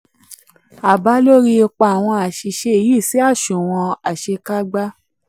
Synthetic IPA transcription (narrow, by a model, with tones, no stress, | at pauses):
a˨ba˨˦lo˦ɾi˧˦e˧k͡pa˧a˨w̃ɔ̃˧a˨ʃi˨ʃe˧˨ji˦˨si˨˦a˦˨ʃũ˨w̃ɔ̃˧a˨ʃe˧ka˦ɡ͡ba˦